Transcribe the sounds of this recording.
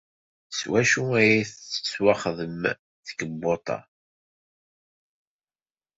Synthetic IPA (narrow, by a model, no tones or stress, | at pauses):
swæʃuæjæθə̥swaχðəm | θə̥kəbːot̪ˤɑ̰